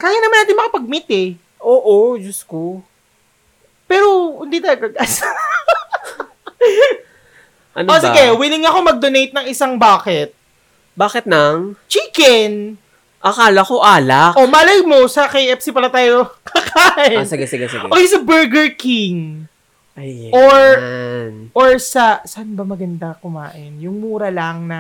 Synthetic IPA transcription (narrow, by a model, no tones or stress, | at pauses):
kaːjanɐmanːaːt̪ɪnmɐkɐpɐɡ̚mit̪ɛ | ʔoːʔod͡ʒɐsko | pɛːɾo̞hʊnd̪it̪ɐlɐɡɐɡɐs | ʔɐ̰nʔosɪɡɛwɪlɪŋɐko̞mɐɡ̚d̪onejt̪̚nɐŋɪsaŋbaːkɛt̪̚ | baːkɪt̪̚nɐŋt͡ʃiːkɛn | ʔɐkaːlɐkoʔaːlakʔo̞mɐʔlɐjmosɐkɐjʔɛpsipɐɾɐt̪aːjokʰɐkʰaːʔɪosɪɡasɪɡasɪ̰ɡʔoːkejsɐbɛɹɡɛɹkiŋ | ʔajʔoɹnʔoɹsɐsanbɐmɐɡɐnd̪ɐkʊma̰ːʔɪnjʊŋmuːɾɐlɐŋnɐ